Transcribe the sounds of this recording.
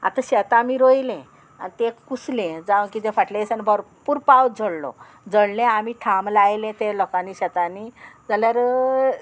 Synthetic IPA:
a̰t̪ãɕɛt̪aːmiɾojlẽ | a̰nit̪ekuslẽd͡zaʋə̃kit̪ẽfaʈlẽsanibʱəɾpuːɾpawd͡zəɽlɔ̰ | d͡zəɽlẽamiʈʰamlajlẽt̪elɔkaniɕɛt̪anid͡zaljaɾ

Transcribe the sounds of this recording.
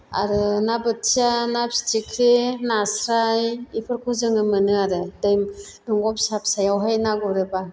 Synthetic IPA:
a̰ɾɯnabɯtsanapsi̥tikʰɾinasɾajipʰɯɾkʰuzɯŋɯmɯnɯaɾɯdɯjm | dɔŋɡɔp̚sap̚sajawɦajnaɡɔɾɯba

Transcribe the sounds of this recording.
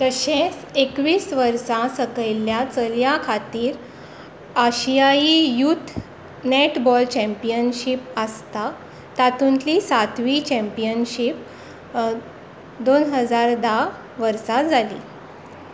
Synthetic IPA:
t̪əɕẽsekʋiːsʋəɾsãsəkəjljat͡səljãkʰat̪iːɾ | əɕijaijut̪ʰ | neʈbɔlt͡ɕɛ̃mpijənɕipəst̪a | t̪at̪unt̪lisat̪ʋit͡ɕɛ̃mpijənɕip̚ | d̪onɦəd͡zaɾd̪a | ʋəɾsad͡zalḭː

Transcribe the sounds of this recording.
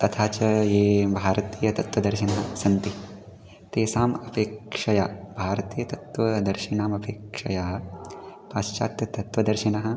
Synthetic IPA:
t̪ɐt̪ʰaːt͡ʃɐjeːbʱaːɾɐt̪iːjɐt̪ɐt̪ʋɐd̪ɐɾʃinɐɦɐ̆sɐnt̪i | t̪eːsaːmɐpeːkʂɐjaːbʱaːɾɐt̪iːjɐt̪ɐt̪ʋɐd̪ɐɾʃinaːmɐpʰeːkʂɐjaːɐ | paːʃt͡ʃaːt̪jɐt̪ɐt̪ʋɐd̪ɐɾʃinɐɦɐ̆

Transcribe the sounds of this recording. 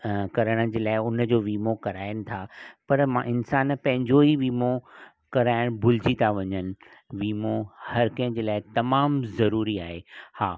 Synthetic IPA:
kɐɾəɽ̃ə̆d͡ʑeːlaːɪʊnd͡ʑoːʋiːmokɐɾaːɪəñɪ̆t̪ʰapɐɾmãːʔɪnsaːnpɐ̃ɦɪ̃ɲd͡ʑoɦiʋiːmo | kɐɾaːɪɽ̃bʱʊld͡ʑit̪ʰaʋɐɲənɪ̆ | ʋiːmohɐɾkɐ̃ɦə̃d͡ʑeːlaːɪt̪ɐmaːmzɐɾuːɾiaːɦehaː

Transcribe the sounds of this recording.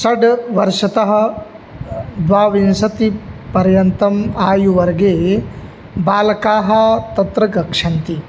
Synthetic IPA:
sɐɖʋɐɾʂɐt̪ɐɦɐ̆ | d̪ʋaːʋinsɐt̪ipɐɾjɐnt̪ɐmaːjuʋɐɾɡeː | baːlɐkaːɦɐ̆t̪ɐt̪ɾɐɡɐkʂɐnt̪i

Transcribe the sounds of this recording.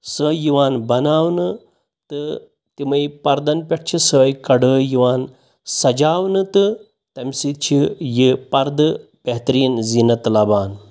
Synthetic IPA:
səːjiʋaːnbɐnaːwnɨ | t̪ɨ | t̪imɐjpɐɾd̪ɐnpʲeʈ̚ʰt͡ʃʰisəːjkɐɽəːjiʋaːn | sɐd͡ʒaːwnɨt̪ɨ | t̪ɐmʲsit̪̚t͡ʃʰijipɐɾd̪ɨpeɦt̪ɐɾiːnzinɐt̪lɐbaːn

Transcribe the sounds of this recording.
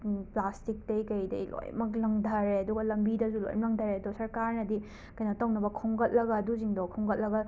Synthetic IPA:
plastik̚tɐjkɐjdɐ̰jlo̰jmɐk̬lɐŋdʱɐɾeɐduɡɐlɐmbidɐzulo̰jmlɐŋdʱɐɾeɐdusɐɾkaɾnɐdi | kɐjnɐtawnɐbɐkʰoŋɡɐt̚lɐɡɐduziŋdokʰoŋɡɐt̚lɐɡɐ

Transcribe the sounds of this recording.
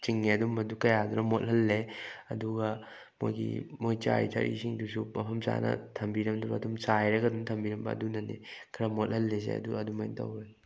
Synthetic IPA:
t͡ʃiŋːeɐdumɐdukɐjaduɾɐmothɐlːeɐduɡɐ | mo̰jɡḭmojt͡ʃa̰ɾḭtʰa̰ɾḭsiŋdusumɐpʰɐmsa̰nɐ̰tʰɐmbiɾɐmduɾɐːdumsajɾɐɡɐdumtʰɐmbiɾɐmbɐ̰ːdunɐnḛkʰɐɾɐmot̚hɐlːes̬ḛɐ̰duɐdumɐjntɐ̰wɾe

